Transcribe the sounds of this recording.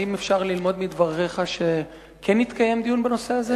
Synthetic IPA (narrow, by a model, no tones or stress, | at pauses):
imefʃaʁlilmo̞d̪mid̪vaʁːeχaʃe̞ | kʰenːit̪kaje̞md̪ijunbeno̞se̞aze